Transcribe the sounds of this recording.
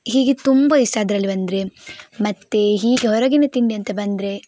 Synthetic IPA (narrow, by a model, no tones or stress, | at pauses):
ɦiːɡet̪umbɐisaːd̪ɾɐlːibɐnd̪ɾemɐt̪ːe̞ɦiːɡeɦɔɾɐɡinet̪iɳɖiɐnt̪ebɐnd̪ɾe